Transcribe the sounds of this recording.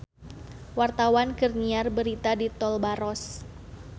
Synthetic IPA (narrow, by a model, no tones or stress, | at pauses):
wart̪awankərniarbəɾit̪adit̪ɔlbaɾɔs